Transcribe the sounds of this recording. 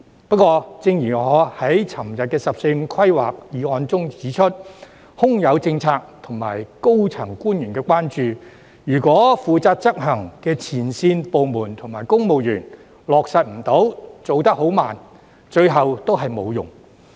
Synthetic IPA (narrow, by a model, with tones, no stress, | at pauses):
pɐ˥t̚kwɔː˧t͡sɪ˧ŋjiː˨˩ŋɔː˨˧hɐ˨˥jt͡sʰɐ˨˩mjɐ˨t̚kɛː˧sɐ˨p̚se˧jm̩˧kʰɐ˥jwaː˨k̚jiː˨˧ɔː˧nt͡sʊ˥ŋt͡siː˨˥t͡ʃʰɵ˥t̚ | hʊ˥ŋjɐ˨˧wt͡sɪ˧ŋt͡sʰaː˧k̚t̪ʰʊ˨˩ŋma̰ː˨˩jko˥wt͡sʰɐ˨˩ŋkuː˥njyː˨˩nkɛː˧kwaː˥nt͡ʃyː˨ | jyː˨˩kʷɔː˨˥fuː˨t͡saː˧t̚t͡sɐ˥k̚ɦɐ˨˩ŋkɛː˧t͡sʰiː˨˩nsiː˧npo˨˧wmuː˨˩nt̪ʰʊ˨ŋmaː˨˩jkʊ˥ŋmo˨wjyː˨˩n | lɔː˨k̚sɐ˨˧t̚m̩˨˩t̪o˨˥wt͡so˨˧wt̪ɐ˥k̚ho˨˥wmaː˨n | t͡ʃɵ˧ɥɦɐ˨wt̪o˥wɦɐ˨jmo˨˧wjʊ̰˨˩ŋ